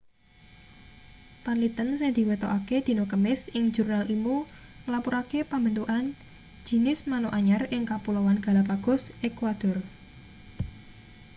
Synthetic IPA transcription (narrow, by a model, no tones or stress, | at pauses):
panlit̪ənseŋd̪̥i̤wet̪o̰ʔaked̪̥i̤nokəmɪsɪŋd͡ʒurnalʔimu | ŋəlapuɾakepambənt̪uʔan̥ | d͡ʒ̥i̤nɪsmanoʔaɲarɪŋkapulɔwanɡ̥a̤lapaɡ̥ɔ̤sʔekwad̪̥ɔr